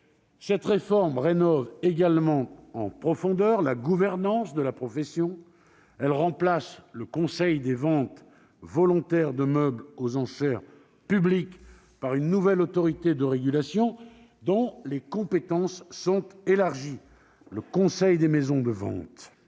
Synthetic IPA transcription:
sɛt̪ʁefɔʁmʁenɔveɡalmɑ̃ɑ̃pχɔfɔ̃d̪œʁlaɡuvɛʁnɑ̃sd̪əlapχɔfesjɔ̃ | ɛlʁɑ̃plasləkɔ̃sɛjd̪evɑ̃t̪ | vɔlɔ̃t̪ɛʁd̪əmœblozɑ̃ʃɛʁ | pyblik | paʁynːuvɛlot̪ɔʁit̪ed̪əʁeɡʲylasjɔ̃ | d̪ɔ̃lekɔ̃pet̪ɑ̃sːɔ̃t̪elaʁʒi | ləkɔ̃sɛjd̪emezɔ̃d̪əvɑ̰̃t̪

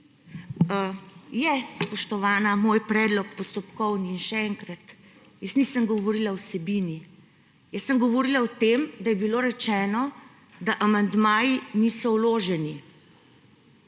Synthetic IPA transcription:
jɛspɔʃt̪ɔʋaːnamoːjpɾɛːd̪lɔkpɔst̪ɔpkɔwniːnʃɛɛŋkɾat̪ | jəsnisəmɡɔʋoɾilawsɛbini | jəsːəmɡɔʋɔɾilaɔt̪emd̪ajɛbiloːɾɛt͡ʃɛːnɔ | d̪aʔamand̪maːjinisɔwloːʒɛni

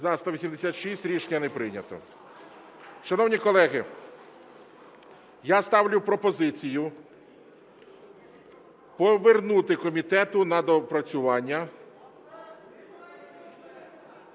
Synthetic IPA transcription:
zɑst̪ɐʋʲisʲimd̪esʲat̪ʃisʲtʲɾʲiʃnʲɐnɛpɾɪnʲɐt̪ɔ̰ | ʃɐnɔwnʲikɔlˠɛɦɪ | jast̪ɑwlʲʊpɾɔpɔzɪt͡sʲijʊ | pɔʋernut̪ɪkɔmʲit̪ɛt̪ʊnɐd̪ɔpɾɐt͡sʲʊʋɑnʲːɐ

